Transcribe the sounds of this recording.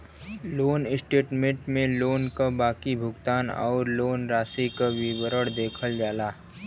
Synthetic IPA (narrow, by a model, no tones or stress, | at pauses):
loːnɪsʈeːʈmẽʈmẽloːnkabaːkibʱʊɡt̪aːnɔ̰ːɾloːnɾaːsikawiwəɾəɽd̪eːkʰəld͡ʒaːlaː